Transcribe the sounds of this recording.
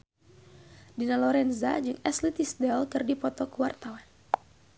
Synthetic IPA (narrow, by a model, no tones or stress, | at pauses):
dinalɔɾɛnza̰d͡ʒɨŋɛslit̪isdɛlkɨrdipɔt̪ɔkuwart̪awan